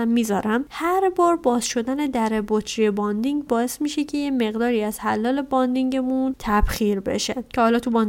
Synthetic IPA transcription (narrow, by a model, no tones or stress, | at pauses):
mːiːzɒːɾæmhæɾbɒːɾbɒːzʃo̞d̪æne̞d̪æɾebot̪ʰɾijebɒnd̪iŋɟbɒːe̞smiːʃecʰe̞jeme̞ɣd̪ɒːɾiːæz̥hælːɒːle̞bɒnd̪iŋɟe̞munt̪ʰæb̥xiːɾbe̞̰ʃe̞cʰehɒːlɒːt̪ʰubɒn